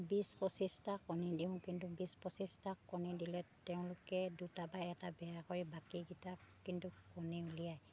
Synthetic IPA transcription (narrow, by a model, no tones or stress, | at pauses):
bispɔsistakːɔnidiʊ̃kintubispɔsistakːɔnidilɛtɛʊ̃lʊkɛdutabajɛtabɛjakoɹibakiɡitap̚kintukɔniulijaj